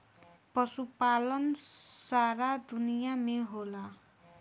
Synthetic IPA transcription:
pʌsupalʌnsaɾad̪unijameɦola

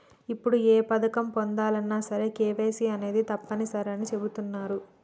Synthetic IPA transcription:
ipːuɽueːpɐd̪ɐkɐmpond̪aːlɐnːaːsɐɾekeːʋe̞ːsiɐne̞ːd̪it̪ɐpːɐnisɐɾɐnit͡ʃe̞but̪unːaːɾu

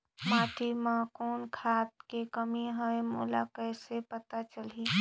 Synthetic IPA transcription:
maːt̪ʰimãkoːnkʰaːt̪̚kekəmiɦəemṵla̰kəɪsepət̪at͡ʃəli

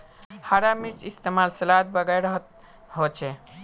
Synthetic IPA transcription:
haɾamiɾt͡ʃist̪emalsəlad̪bəɡajɾəɦət̪̚ | ɦot͡ʃʰɛ

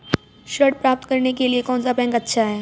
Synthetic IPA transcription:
ʃəʈ̚pɾaːp̚t̪kɐɾnekeliekɔ̃ːnsapɛ̃ːŋɡɐtːʃʰaɦeː

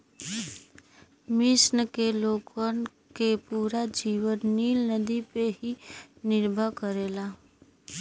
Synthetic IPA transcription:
mɪsnəkeloːkwən | kepuːɾad͡ʒiwənːiːlnəd̪ipeɦinɪɾbʱəkəɾeːla

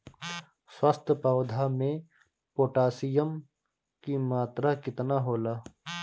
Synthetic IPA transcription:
swast̪ʰəpawd̪ʱamẽ | poːʈaːsijəm | kimaːt̪ɾakɪt̪naɦoːlaː

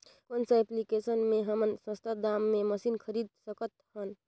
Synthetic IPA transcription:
konsəeplikesənmeɦəmənsə̃st̪ʰad̪amːeməsinkʰəɾid̪̚səkət̪hən

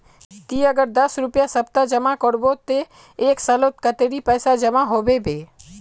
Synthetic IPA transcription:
t̪iəɡəɾd̪əsɾʊpjasəp̚t̪ad͡ʒəmakəɾbot̪e | eːksəlot̪kət̪eɾipɛːsad͡ʒəmaɦobebeː

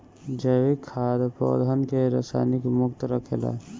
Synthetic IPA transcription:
d͡ʒəʋikʰːad̪po̰d̪ʱənkeɾa̰sa̰jnikmʊkt̪ɾəkʰḛla̰

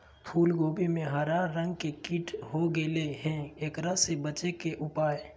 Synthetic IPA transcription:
pʰuːlɡoːbimẽɦəɾaːɾːə̃ŋɡkekiːʈʰɦoɡeleɦɛ̃eːkɾasebət͡ʃekeʔʊpaːe

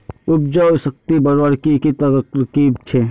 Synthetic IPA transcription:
ʊb̚d͡ʒaːsək̚t̪ibɐɾoɾkikit̪ɐɾɾkiːbt͡ʃʰe

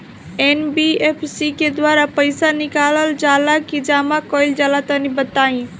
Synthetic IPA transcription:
enbiepʰsiked̪waɾapəjsanɪkaləld͡ʒalakid͡ʒamakɔjld͡ʒalat̪ənibət̪aĩ

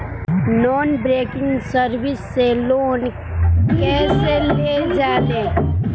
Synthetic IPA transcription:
nɔːnbɾeːkɪ̃ŋɡsəɾwɪsːeloːn | kɛːseleːd͡ʒaːleː

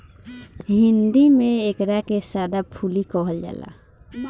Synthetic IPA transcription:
ɦɪnd̪imẽekɾakesjaːd̪apʰulikɔɦəld͡ʒa̰ːla̰

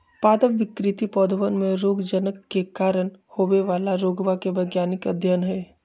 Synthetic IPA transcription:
paːd̪əʋʋɪkɾɪt̪ipɔːd̪əʋənmẽɾoːɡd͡ʒənəkːekaːɾənhoːʋeʋaːlaɾoːɡʋakebɐɡjaːnɪkɐ̰d̪ʱjənɦɛː

